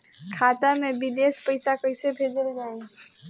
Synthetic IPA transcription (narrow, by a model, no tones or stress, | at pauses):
kʰat̪amebid̪espəjsakəɪsebʱed͡ʒəld͡ʒai